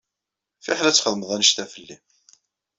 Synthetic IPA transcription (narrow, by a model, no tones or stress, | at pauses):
fiħlæt͡sːχəðəməðˤænəʃt̪æfəlːi